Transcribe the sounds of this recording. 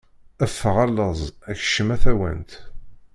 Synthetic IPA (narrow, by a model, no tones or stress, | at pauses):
æfːəʁælːəzˤæçʃəmæθæwə̰nt̪